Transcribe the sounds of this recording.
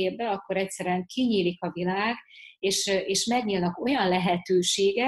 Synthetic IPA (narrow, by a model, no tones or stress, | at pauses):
eːbbɛɒkːo̞ɾɛcsɛɾɛɛŋkʰiɲiːlikɒvilaːɡeːʃeːʃmɛɡɲilnɒko̞jɒnlɛɦɛt̪øːʃeːɡɛ